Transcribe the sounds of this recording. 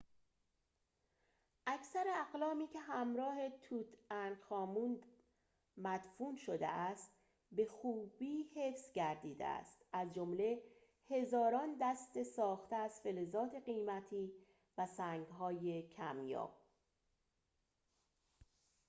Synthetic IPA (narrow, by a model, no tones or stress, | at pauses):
ʔæcʰsæɾeæɣlɒːmiːcʰe̞ɦæmɾɒːhe̞t̪ʰuːt̪ʰænxɒːmuːnd̪ | mæd̪̥fuːnʃod̪ḛæst̪ | be̞xuːbiːhe̞fsɟæɾd̪iːd̪ḛæ̰st̪æzd͡ʒomle̞ | he̞zɒːɾɒːnd̪æst̪e̞sɒːxt̪eæz̥fe̞lezɒːt̪ʰe̞ɢiːmæt̪ʰiː | væsæːŋɡɦɒːje̞cʰæmjɒ̰ː